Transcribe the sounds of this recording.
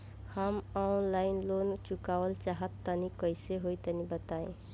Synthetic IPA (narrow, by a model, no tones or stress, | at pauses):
həmanlaɪnlont͡ʃukaʋəlt͡ʃaɦət̪ːənikəjseɦojt̪ənibət̪aḛ̃